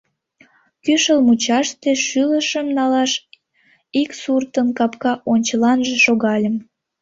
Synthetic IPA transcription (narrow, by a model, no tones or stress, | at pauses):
kyʃəlmut͡ɕɑʃt̪eʃyləʃəmnɑlɑʃ | iksurt̪ənkɑpkɑʔonʲt͡ɕəlɑnʒeʃoɣɑlʲəm